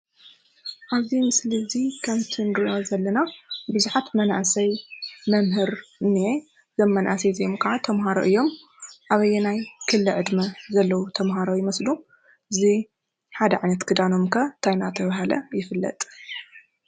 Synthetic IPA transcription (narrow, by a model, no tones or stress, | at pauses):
ʔaβzimɨslizikʰɐmt̪ʰɨnɨɾʔozɐlːɐnabɨzuħat̪mɐna̰ʔsɐjmɐmɦɨɾnie | zɐmːɐnʔa̰sezjmkʰɐʕat̪ʰɐmɦaɾo̰ʔɨjːo̞m | ʔaβɐjɛnajkʰɨlːɨʕɨd̪mɐzɐlːɐwut̪ʰɐmɦaɾojɪmɐslu | ɨzi | ħad̪ɐʕajnɐt̪kʰɨd̪anomkʰɐt̪ʰajnat̪ʰɐβaɦalɐ̰jɪfɨlːɐ̰t̪ʼ